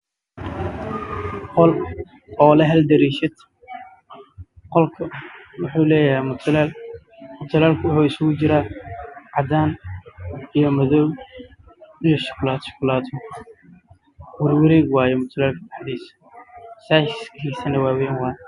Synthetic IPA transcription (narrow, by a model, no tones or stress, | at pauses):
qɔl | ɔːlɐɦɐld̪ɐɾiːʃɐd̪ | qɔlkʰɐwʊħuːlɛːjɦɛmt̪ʰll | mʊt̪ʰɐlaːlkʰʊwʊħuːɪsʊɣʊt͡ʃɪɾaːʕɑd̪aːn | ijɔmɐðɔw | nɪʃkʰʊlaːt̪ʃkʰʊlaːt̪ʰɔ | wɐrwɐɾɛːɡwaːjɛmʊt̪ʰɐlaːlkʰɐb̪ɐħd̪iːsɐ̥ | saːʃɪskiːsɐnɛwaːwɛːnwaːj